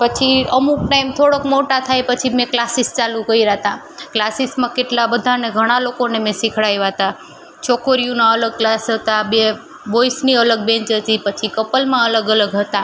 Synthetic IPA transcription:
pət͡ʃʰiəmuk̚ʈaimt̪ʰoɽəkmoʈat̪ʰajpət͡ʃʰimẽklasist͡ʃalũkəiɾaɦt̪a | klasismãkeʈlabəd̪ʱaneɡʱəɽ̃alokonemẽsikʰɽajʋaɦət̪a | t͡ʃʰɔkoɾijũnaələɡ̚klasɦət̪abe | ʋojsniələɡ̚bẽɲt͡ʃɦət̪ipət͡ʃʰikəpəlmãələɡələɡɦət̪a

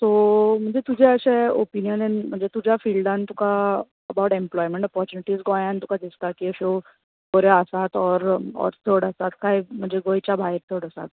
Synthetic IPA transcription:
t̪om̤əɳd͡zet̪ud͡ʑʱeəɕeopinijənenm̤əɳd͡zet̪ud͡ʑʱafilɖãnt̪uka | əbawʈẽmplɔjmeɳʈɔpɔɾt͡ɕuniʈiːzɡɔjãnt̪ukad̪ist̪akiəɕo | boɾeəsat̪ɔɾɔ̰ɾt̪ʰəɽəsat̪kaɦim̤əɳd͡zeɡojt͡ɕabʱajɾt̪ʰəɽəsa̰t̪̚

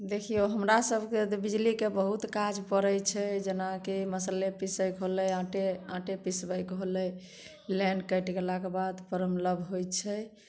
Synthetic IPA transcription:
d̪ekʰijoɦəmɾasəbʱket̪bid͡ʒlikebəɦut̪kad͡ʒpəɾəjt͡ʃʰɛd͡ʒenakiməsəlepisəɪkɦolɛãʈeãʈepisbəjkɦolɛ | lɛ̃ɳɖkəjʈɡelakebad̪pəɾəmləbʱɦojt͡ʃʰɛ

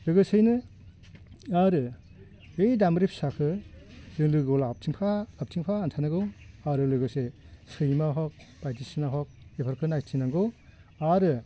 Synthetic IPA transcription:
lɯɡɯsɯjnɯ | aɾɯ | ejdamɾip̚sakʰɯzɯŋlɯɡɔlap̚tʰiŋpʰaap̚tʰiŋpʰaːntʰanaɡɯwaɾɯlɯɡɯsesɯjmaɦɔk̚ | b̥ajtisinaɦɔk̚epʰaɾkʰɯnajtʰinaŋɡow | aɾɯ

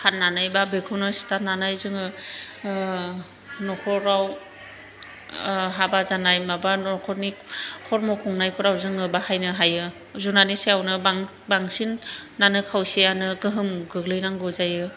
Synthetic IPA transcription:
hannːanajbabekʰɔnɔsi̥tananajzɯŋɯ | nɔkʰɔɾaw | ɦabazanajmabanɔkʰɔɾnikʰɔɾmɔkʰɔŋnajkʰɔɾawzɯŋɯbahajnɯɦajɯ | zunaniseawnɯbaŋ | baŋsinːanɯkʰawsianɯɡɯɦɯmɡɯɡlɯjnaŋɡɯzajɯ

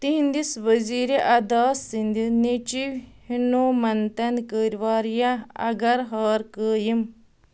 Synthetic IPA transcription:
t̪iɦind̪isʋəziːɾeʔɐd̪aːsind̪inet͡ʃiʋhinoːmɐnt̪ɐnkəːɾʲʋaːɾjaɐ̰ɡɐɾɦaːɾkəːjim

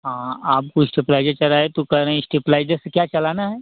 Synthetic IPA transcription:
ɦãaːp̚kusʈiplajd͡ʒet͡ʃəɾaɦet̪ukəɾə̃isʈiplajd͡ʒesəkʲjat͡ʃɐlanaɦɛ

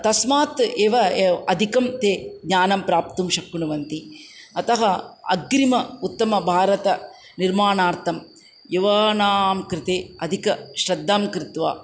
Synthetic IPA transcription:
t̪ɐsmaːt̪eːʋɐɐd̪ʱikɐmt̪eːɡɲaːnɐmpɾaːpt̪umʃɐkːuɳuʋɐnt̪iɐt̪ɐɦɐɐ̰ɡɾimɐut̪ːɐmɐbʱaːɾɐt̪ɐ | niɾmaːɳaːɾt̪ʰɐm | juʋaːnaːmkɾɪt̪eːɐd̪ʱikɐʃɾɐd̪ʱːaːmkɾɪt̪ʋa̰ː

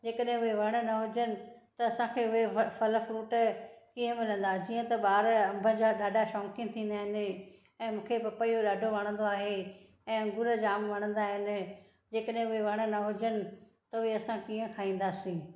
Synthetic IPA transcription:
d͡ʑeːkəɗɦɪ̃ʊɦeʋɐɽ̃ə̆nɐɦʊd͡ʑənɪ̆t̪ɐɐsãkʰeʊɦefʰɐləfɾuːʈkiːə̃mɪlə̃nd̪aːd͡ʑiːə̃t̪ɐɓaːɾɐ̃mbʱə̃d͡ʑaːɗaːɖʱaʃɔːkɪ̃n̆t̪ʰĩːn̆d̪aːɦɪnɪ̆ | ɛ̃ːmũːkʰepɐpəioɗaːɖʱoʋɐɽ̃ə̃nd̪oaːɦe | ɛ̃ːɐ̃ŋɡʊɾəd͡ʑaːmʋɐɽ̃ə̃nd̪aːɦɪnɪ̆ | d͡ʑeːkəɗɦɪ̃ʊɦeʋɐɽ̃ə̆nɐɦʊd͡ʑənɪ̆ | t̪ɐʊeɐsãkiːə̃kʰaːĩːn̆d̪aːsĩː

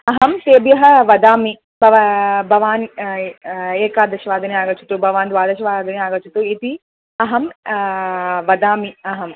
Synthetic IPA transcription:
ɐɦɐmt̪eːbjɐɦɐ̆ʋɐd̪aːmi | bʱɐbʱɐʋaːn | eːkaːd̪ɐʃɐʋaːd̪ɐniaːɡɐt͡ʃu̥t̪ubʱɐʋaːnd̪ʋaːd̪ɐʃɐʋaːd̪ɐniaːɡɐt͡ʃut̪uit̪i | ɐɦɐm | ʋɐd̪aːmiɐɦɐm

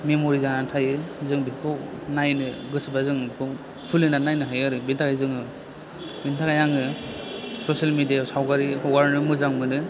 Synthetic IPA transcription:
memoɾizanantʰajɯzɯŋbikʰɔnajnɯɡɯsɯbazɯŋbikʰɔ | pʰɯlɯnanajnɯɦajaɾɯbintʰakajzɯŋɯ | bintʰakajaŋɯ | sɔsalmedijasawkaɾiwaɾnɯmɯzaŋmɯnɯ

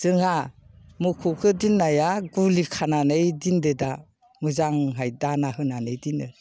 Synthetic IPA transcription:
z̥ɯŋamukʰukʰɯdinːajaɡulikʰananɯjdindeda | mɯzaŋɦajdanaɦɯnanɯjdinɯ

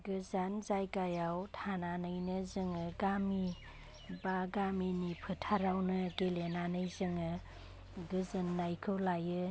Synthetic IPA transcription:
ɡɯzanzajkajawtʰananɯjnɯzɯŋɯɡami | baɡaminipʰɯtʰaɾawnɯɡelenanɯjzɯŋɯ | ɡɯzɯnːajkʰɯwlajɯ

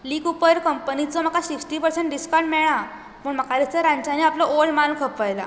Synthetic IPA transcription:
liːkupəɾkəmpənit͡sɔm̤akʰasiksʈipəɾsẽɳʈ̚ɖiskaɾɖmɛɭ̃a | pəɳm̤əkʰalit͡səɾãɲt͡ɕaniapləʔolmankʰəpːajla̰

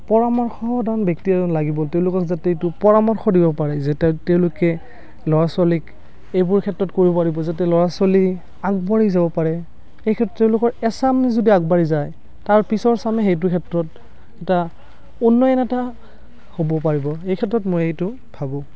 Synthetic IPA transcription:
pɔɹamɔɹxɔdanbjɔk̚tiɛzɔnlaɡibɔteʊ̃lʊkɔkzatɛtʊpɔɹamɔɹxɔdibɔpaɹɛzɛtteʊ̃lʊkɛ | lɔɹasɔlik | ejbʊɹkʰɛtɹɔtkoɹibɔpaɹibɔzatɛlɔɹasɔli | aɡbaɹizabɔpaɹɛ | xejkʰɛtːɔteʊ̃lʊkɔɹɛsamizodiaɡbaɹizaj | taɹpisɔɹsamɛxejt̬ʊɹkʰɛtɹɔt̚ | ɛta | unːɔɛnɛta | hobɔpaɹibɔejkʰɛtɹɔtmojejtʊ | bʱabɔ̃

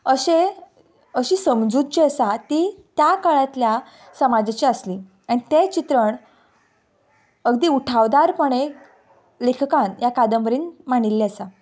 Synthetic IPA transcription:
əɕe | əɕisəmd͡zud̪̚t͡ɕiəsat̪it̪jakəɭãt̪lja | səmad͡zat͡ɕiəsli | aɽ̃it̪et͡ɕit̪ɾəɳ | əɡd̪iːuʈʰaʋd̪aɾpəɳ̃e | lekʰkãnjakad̪əmbəɾiːnmaɳ̃ilːeəsa

